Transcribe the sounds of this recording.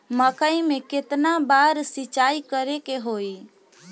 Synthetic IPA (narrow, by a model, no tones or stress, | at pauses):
məkəimẽket̪nabaɾsit͡ʃaikəɾekeɦoi